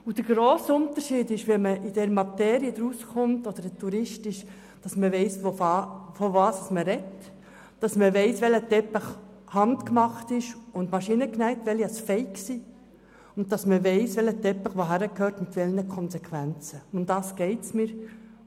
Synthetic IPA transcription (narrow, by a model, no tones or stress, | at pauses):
ud̥əɾɡɾoːsəʊnt̪əɾʃiːdɪʃʋɛməʔid̥ɛɾmɑt̪ɛːɾiəd̪ɾusχʊmtɔd̥̪əɾətʰuɾɪʃtɪʃ | d̥ɑsməʋɛɪsʋofɑfɔvɑːssməɾɛt | d̥ɑsməʋɛɪsʋɛlətɛpəχ | hɑntkmɑχtɪʃʊndmɑʃinəknæɪtʋɛliɑsfɛɪksiː | ʊnt̚tːɑsməʋɛɪsʋɛlətɛpːəχʋoɦæɾəkhøːɾtmɪtʋɛlnəkʰɔnsɛkʰʋænt͡səʊmdɑːsɡ̥ɛɪtsmiːɾ